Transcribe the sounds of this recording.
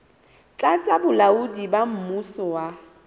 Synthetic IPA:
t͡ɬʼat͡sʼabʊlaudibam̩musɔwa

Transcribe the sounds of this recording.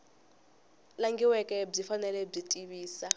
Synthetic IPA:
laŋɡiwɛkʼɛb͡ʐifanɛlɛb͡ʐitʼiβiːsa

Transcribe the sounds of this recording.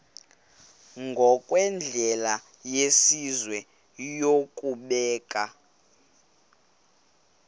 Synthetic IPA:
ŋɡʱɔkʼwɛnd͡ɮʱɛla | jesizwɛ | jokʼuɓɛːkʼa

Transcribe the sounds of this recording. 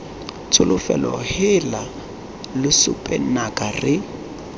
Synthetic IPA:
t͡sʰʊlʊfɛ̰lɔhɪla | lɪsʊpʼɛnakʼarɪ

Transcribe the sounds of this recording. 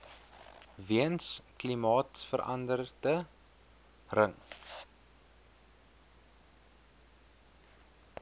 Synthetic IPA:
viənsklimɑːtfərʔɐ̰ndərdə | rəŋ

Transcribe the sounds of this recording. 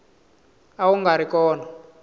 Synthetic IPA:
auŋɡaɾikɔːna

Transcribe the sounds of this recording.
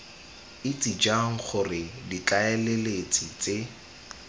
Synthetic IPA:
ɪt͡sʼid͡ʒaŋ̩χʊrɪdit͡ɬaɛlelet͡sʼit͡se

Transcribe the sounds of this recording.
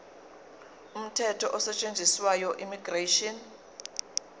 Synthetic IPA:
um̩tʰɛtʰɔʔɔsɛt͡ʃʼend͡zʱiswajɔʔimiɡreʃɔn

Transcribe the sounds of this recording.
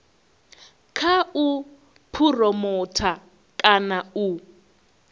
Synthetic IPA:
kʰau | pʰurɔmɔtʰa | kʼanau

